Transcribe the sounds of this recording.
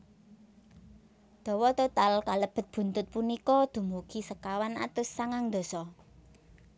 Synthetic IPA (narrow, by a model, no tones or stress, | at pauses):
d̪̥ɔ̤wɔt̪ot̪alkaləb̥ə̤t̪̚b̥ṳnt̪ʊt̪̚punikɔd̪̥ṳmukisəkawana̰t̪ʊsːaŋaŋd̪o̤sɔ